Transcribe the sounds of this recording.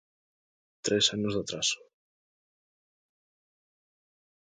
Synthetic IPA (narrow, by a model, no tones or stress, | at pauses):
t̪ɾesanozðat̪ɾas